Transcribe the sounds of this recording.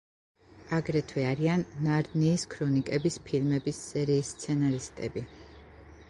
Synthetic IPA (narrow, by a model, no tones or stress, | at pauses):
aɡɾɛt̪ʰwɛaɾianːaɾniːskʰɾɔnikʼɛbispʰilmɛbisːɛɾiːst̪sʰɛnaɾist̪ʼɛ̰bi